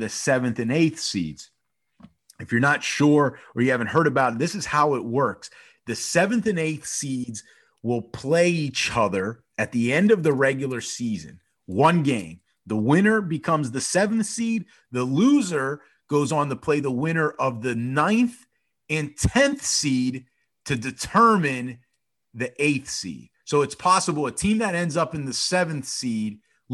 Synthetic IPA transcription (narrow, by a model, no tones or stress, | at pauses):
ðɨsɛvɨ̃nθɨ̃neɪθsḭdz̥ | ɨfjə˞nətʃʊɹə˞jɨhævɨ̃n̩ɦɜ˞ɾɨbaʊt̪̚ðɪsɨz̥haʊɪt̚wɜ˞ks | ðɨsɛvɨ̃nθɨ̃neɪθsidz | wɪlˠpʰl̥eɪit͡ʃʌðə˞ | ɨt̪̚ðiɛ̃ndʌvðɨɹɛɡjl̩ˠə˞sizɨ̰̃n | wʌ̃nɡẽɪ̃m | ðəwɪ̃ñə˞bɨkʰʌ̃mzðɨsɛṽn̩θsid̪̚ | ðəluzə˞ | ɡ̥oʊzn̩tʰəpʰl̥eɪðəwɪ̃ɾ̃ə˞ʔʌvðɨnãɪ̃nθ | ɨ̃ntʰɛ̃nθsid̚ | tʰɨdɨtʰɜ˞mɪ̃n | ðiʔeɪθsḭd̥soʊɨtspʰɑsəbl̩ˠətʰĩmðɨɾɛ̃ndzʌpɨ̃nðɨsɛvɨ̃nθsid̚